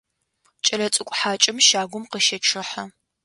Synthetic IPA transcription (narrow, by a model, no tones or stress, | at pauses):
t͡ʃʼɐlɐt͡sʼɨkʷʼħaːt͡ʃʼɪmʃaːɡʷʊmqəʃɐʈ͡ʂʰɨħɐ